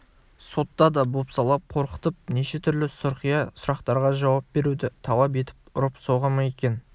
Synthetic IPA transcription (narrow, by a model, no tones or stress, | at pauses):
so̞t̪ːɑd̪ɑbo̞psɑlˠɑp̚qʰo̞ɾqə̥t̪əp̚ne̞ʃe̞t̪ʰʏɾlɪsʊɾqijɑsʊɾɑqt̪ɑɾʁɑʒɑwɑp̚be̞ɾud̪ɪt̪ʰɑlˠɑp̬e̞t̪ɪ̥pʊɾəpsoʁɑmɑje̞kʲe̞n